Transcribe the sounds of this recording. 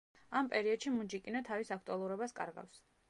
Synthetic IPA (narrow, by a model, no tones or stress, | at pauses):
ampʼɛɾiɔd̪ʃimud͡ʒikʼinat̪ʰavisak̚ʰt̪ʼualˠuɾɔbaskʼa̰ɾɡa̰fs